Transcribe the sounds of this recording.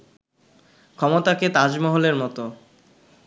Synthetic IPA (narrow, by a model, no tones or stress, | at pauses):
kʰɔmot̪aket̪ad͡ʑmɔɦoleɾmɔt̪o